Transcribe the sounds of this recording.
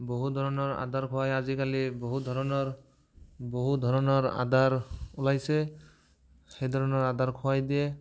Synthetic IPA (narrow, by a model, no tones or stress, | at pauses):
boɦud̪ʱɔɹɔnɔɹa̰d̪aɹkʰɔwajazikaliboɦud̪ʱɔɹɔnɔɹ | boɦud̪ʱɔɹɔnɔɹa̰d̪aɹulajsɛ | xejd̪ʱɔɹɔnɔɹad̪aɹkʰʊwajd̪ijɛ